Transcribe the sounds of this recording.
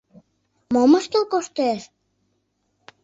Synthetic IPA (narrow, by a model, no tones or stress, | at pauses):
moməʃt̪əlkoʃt̪eʃ